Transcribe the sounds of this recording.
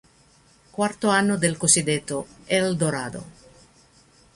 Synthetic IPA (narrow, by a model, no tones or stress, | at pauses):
kwart̪oanːod̪elkosid̪et̪ːoɛld̪oɾaːd̪o̰